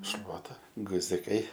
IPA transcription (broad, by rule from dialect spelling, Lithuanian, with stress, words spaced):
ˈʃlˠuɔtɐ ɡʊzʲɪˈkɐɪ